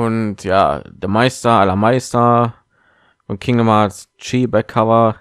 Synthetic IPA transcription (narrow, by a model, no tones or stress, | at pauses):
ʊntja̰ːd̥əmaɪstɐʔalɐmaɪstɐ | ʊnkʰɪŋdəmas | t͡ʃiːbɛkʰːavɐ